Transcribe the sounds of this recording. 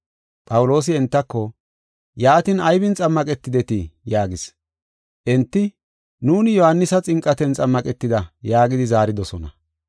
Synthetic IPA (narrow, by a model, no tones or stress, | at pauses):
pʼɐwʊlo̞ːs̬ɪɛnt̪ːɐkːɔ | jaːt̪ɪnɐjbɪnt͡sʼɐmːɐkʼɛt̪ːɪd̪ɛt̪ɪjaːɡɪs | ʔɛnt̪ːɪ | nuːnɪjɔhɐnːɪsɐt͡sʼɪŋkʼːɐt̪ɛnt͡sʼɐmːɐkʼɛt̪ːɪd̪ɐjaːɡɪd̪ɪzaːɾɪd̪ɔsɔnɐ̰